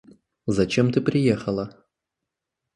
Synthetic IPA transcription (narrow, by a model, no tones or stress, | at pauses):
zɐt͡ɕemt̪ɨpɾʲɪjexəlˠə